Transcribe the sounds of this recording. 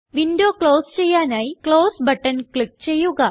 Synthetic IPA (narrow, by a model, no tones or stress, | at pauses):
ʋindo̞ːkɭo̞ːst͡ɕe̞jːaːnaːjikɭo̞ːsbɐʈːɐnkɭik̚t͡ɕe̞jːuɣɐ